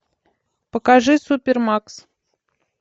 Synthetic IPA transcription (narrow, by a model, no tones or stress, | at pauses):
pəkaʐɨsupʲermaks